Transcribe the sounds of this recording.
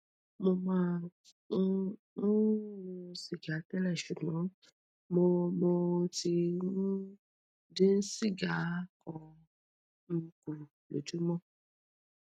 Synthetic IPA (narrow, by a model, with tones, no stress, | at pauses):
mo˧mã˦ | ŋũ˦wu˧si˨ɡa˨t̪ɛ˦lɛ˨ʃu˨mɔ̃˨˦ | mo˧mo˧ti˧ŋũ˦ | ɖe˦si˦ɡa˨˦kʰɔ˨ | ŋ̩˦ku˨ | lo̰˨tu˦mɔ̃˦